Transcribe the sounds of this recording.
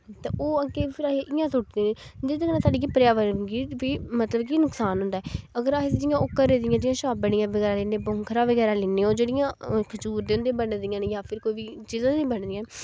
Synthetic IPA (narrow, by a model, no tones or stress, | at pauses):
t̪ãːʔoːaːkeːpʰɪɾaːɦeʔɪjãːsʊʈd̪ẽːnẽːd͡ʒɪd̪knãːsaːɖiːkipɾjaːʋəɾɡiːʋiːmət̪ləbkinʊksaːnɦʊ̃nd̪aːɛəɡəɾaːsd͡ʒɪjãːʔʊːkːəɾːeːd̪ɪjãːd͡ʒɪ̃jãːʃaːbəɽ̃ɪjãːʋəɡɛːɾaːleːnẽːbɔːŋkʰəɾãːʋəɡɛːɾaːleːnẽːoːd͡ʒeːɽɪjãːkʰət͡ʃuːɾd̪eːʊnd̪eːbənd̪ɪjãːnjaːpʰɪɾkoːiːʋiːt͡ʃiːzãːnĩːbəɳd̪ɪːãː